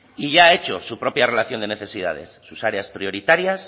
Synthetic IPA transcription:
iʝae̞t͡ʃo̞supɾo̞pjare̞laθjo̞nd̪ene̞θe̞sið̞a̰ð̞e̞̰sːusaɾeaspɾio̞ɾit̪aɾjas

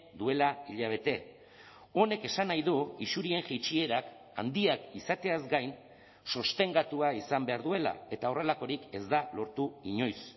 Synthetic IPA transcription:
d̪ue̞laiʎaβ̞e̞t̪e̞ | o̞ne̞ke̞sanajðuisuɾie̞ŋxit͡ʃie̞ɾak | a̰nd̪iakisat̪e̞azɡajn | sost̪e̞ŋɡat̪uaisambe̞aɾðue̞la̰e̞t̪ao̞re̞lako̞ɾike̞zd̪alo̞ɾt̪uiɲo̞js

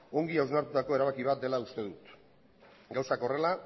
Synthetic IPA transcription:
o̞ŋɡiawznaɾt̪ut̪ako̞e̞ɾaβakiβ̞at̪̚d̪e̞laust̪e̞ðut̪ | ɡawsako̞re̞la

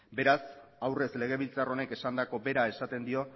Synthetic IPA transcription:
be̞ɾasawre̞sle̞ɣ̞e̞β̞ilt͡saro̞ne̞ke̞sand̪ako̞be̞ɾae̞sat̪e̞nd̪io̞

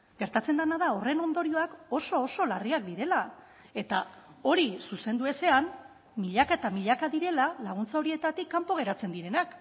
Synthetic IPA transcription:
ɡ̥e̞ɾt̪at͡se̞nd̪anaðaore̞no̞nd̪o̞ɾio̞ako̞so̞ːso̞lariak̚d̪iɾe̞la | e̞t̪ao̞ɾisuse̞nd̪ue̞se̞an | miʎakaet̪amiʎakaðiɾe̞lalaɣ̞unt͡sao̞ɾie̞t̪at̪ikːampo̞ɣ̞e̞ɾat͡se̞nd̪iɾe̞nak

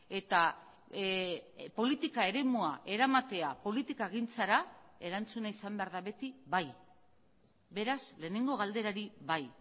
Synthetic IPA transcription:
e̞t̪a | po̞lit̪ikae̞ɾe̞muaʔe̞ɾamat̪e̞apo̞lit̪ikaeɣint͡saɾae̞ɾant͡sunaisambe̞aɾðaβe̞t̪iβaj | be̞ɾasle̞ːne̞ŋɡo̞ɣ̞ald̪e̞ɾaɾiβaj

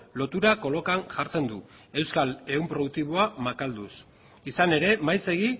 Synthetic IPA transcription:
lo̞t̪uɾako̞lo̞kaŋʝaɾt͡se̞nd̪u | e̞wskale̞umpɾo̞ðuk̚t̪iβo̞amakald̪us | isane̞ɾe̞majse̞ɣ̞i

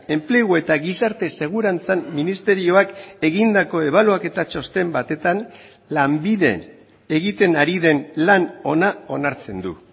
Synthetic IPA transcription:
e̞mpleɣue̞t̪aɣisaɾt̪e̞se̞ɣ̞uɾant͡samːinist̪e̞ɾio̞ake̞ɣind̪ako̞e̞β̞aluake̞t̪at͡ʃo̞st̪e̞mbat̪e̞t̪an | lambiðe̞̰ | eɣit̪enaɾiðe̞nlano̞nao̞naɾt͡se̞nd̪ṵ

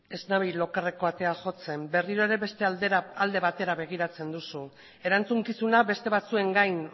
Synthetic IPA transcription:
e̞znaβilo̞kare̞ko̞at̪e̞aʝo̞t͡se̞mbe̞riɾo̞eɾe̞βe̞st̪eald̪e̞βat̪e̞ɾaβe̞ɣ̞iɾat͡se̞nd̪usu | e̞ɾant͡suŋkisunabe̞st̪e̞βat͡sue̞ŋɡajn

